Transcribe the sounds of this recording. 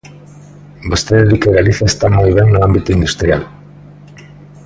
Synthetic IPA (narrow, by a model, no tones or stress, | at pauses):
be̞st̪eɾeɾikeɣaliθaest̪amojβenːoambit̪eind̪ust̪ɾial